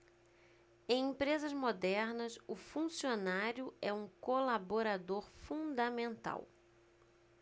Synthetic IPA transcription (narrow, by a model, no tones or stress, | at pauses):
ẽj̃ẽpɾezɐzmod̪ɛɾnɐsʊfũsionaɾjʊɛũkolaboɾad̪oɾfũd̪ɐmẽnt̪a̰w